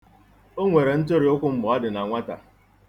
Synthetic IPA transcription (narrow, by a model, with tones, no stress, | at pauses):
o˦ŋʷe˨ɾe˨n̩˦to˦ɾi˨˦ʊ˦kʷʊ˦m̩˦bɔ˨˦a˦dɪ˨na˨ŋʷa˦ta̰˨